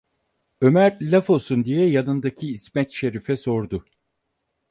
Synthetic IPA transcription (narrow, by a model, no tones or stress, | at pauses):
ø̞mæɾlʲafosund̪ijɛjanɯnd̪acʰiːsmɛt̪ʃe̞ɾifɛso̞ɾd̪ʊ